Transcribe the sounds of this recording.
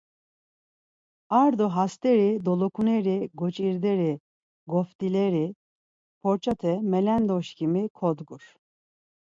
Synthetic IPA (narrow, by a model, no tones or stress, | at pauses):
aɾd̪oɦast̪eɾid̪olˠokʰuneɾiɡot͡ʃʼiɾd̪eɾi | ɡoft̪ilʲeɾi | pʰoɾt͡ʃʰat̪ʰɛmɛlænd̪oʃcʰimikʰod̪ɡuɾ̥